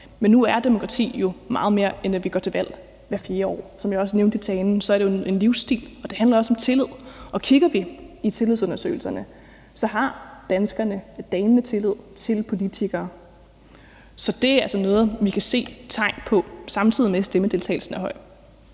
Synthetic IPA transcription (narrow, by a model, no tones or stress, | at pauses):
menːuæɐd̥e̝mo̝kʰʁɑ̈t͡sʰḭːjo̝mɑ̈ːð̩ˠme̝ːɐenæʋiɡ̥ɒ̰t͡sʰe̝ʋæl̰ | ʋæɐfje̝ːɐɒ̰ːsɒmjɑ̈ɒ̽s̬əneʊnd̥it͡sʰɛːnn̩sɒ̽æɐɾejoe̝nliʊsd̥ḭːlɒ̽d̥e̝hænlɐɒ̽sɒ̽mt͡sʰe̝lið̰ˠʔɒ̽kʰiɡ̥ɐʋiit͡sʰe̝lið̰ˠsɔ̽nɐsø̰ːɪl̩sɐnə | sɒ̽ɦɑ̈d̥ænsɡ̥ɐnəd̥ɛːnnət͡sʰe̝lið̞̰ˠt͡sʰe̝lpʰo̝lit͡sʰiɡ̥ɐː | sɒ̽d̥e̝æælsənɔːðˠʋikʰæse̝̰ːt͡sʰɑ̈ɪ̰npʰɒ̽sɑ̈mt͡sʰið̰ˠimesd̥eməd̥e̝lt͡sʰɛ̰ːl̩sn̩æhɒ̽ɪ̰̥